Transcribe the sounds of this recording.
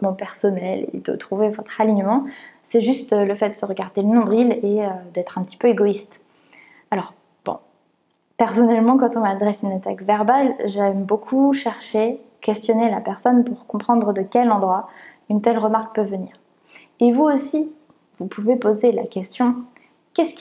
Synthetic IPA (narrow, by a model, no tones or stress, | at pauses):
mɑ̃pɛʁsɔnɛlḛd̪o̰t̪χuvevɔt̪χaliɲəmɑ̃sɛʒyst̪ləfɛt̪̚d̪ə̥səʁəɡaʁd̪elənɔ̃d̪ʁileød̪ɛt̪χɛ̃pət̪i̥pøeɡɔist̪ | alɔʁ | b̥ɔ̰̃ | pɛʁsɔnɛlmɑ̃kɑ̃t̪ɔ̃mad̪ʁɛsynat̪akvɛʁbalʒɛmbokʰuʃɛʁʃe | kʲɛst̪jɔnelapɛʁsɔnpuʁkɔ̃pχɑ̃d̪ʁəd̪əkʲɛlɑ̃d̪ʁwa | ynt̪ɛlʁəmaʁk̚pøvəniːʁ | evuosi | vupʰuvepozela̰kʲɛst̪jɔ̃ | kʲɛsk